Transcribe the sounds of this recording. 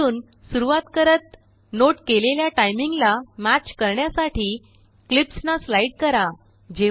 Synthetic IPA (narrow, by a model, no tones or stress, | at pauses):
uːn | suɾuʋat̪kəɾət̪̚ | noʈkeleljaʈajmiŋɡlamæt͡ɕkəɾɳjasaʈiː | klipsnaslaiɽkəɾa | d͡ʑe